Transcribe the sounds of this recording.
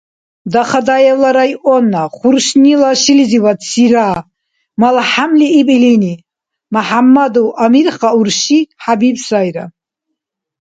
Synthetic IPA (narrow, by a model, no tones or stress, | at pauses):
d̪aχad̪ajɛwlaɾajʔɔnaχuɾʃnilaʃiliziwad̪siɾa | malħamliːbʼilini | maħamːad̪uʔamiɾχauɾʃiħabibsajɾa